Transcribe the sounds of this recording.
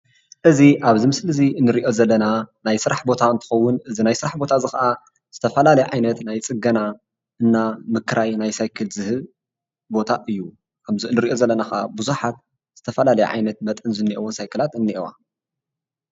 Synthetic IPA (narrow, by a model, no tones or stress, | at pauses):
ʔɨziʔaβzimɨslɨziɨnːɨɾiʔo̞zɐlːɐnanajsɨɾaħbo̞t̪ʰaɨnt̪ʰɨ̥xɐwːʊnɨzinajsɨɾaħbo̞t̪ʰazɨxɐʔa | z̥ɨt̪ʰɐfɐlalɐjɛʕajnɐt̪najt͡sʼɨɡɐna | ʔɨnːamɨkʰɾʔajnajsajkʰɨlzɨhɨ | bo̞t̪ʰaʔɨjːu | kʰɐmziɨnːɨɾiʔo̞zɐlːɐnaxaʔa̰buzuħat̪ | z̥ɨt̪ʰɐfɐlalɐjɛ̰ʕa̰jnɐt̪̚mɐt̪ʼɨnzɨnːiʔewonsajkɨlat̪ɨnːiʔewa̰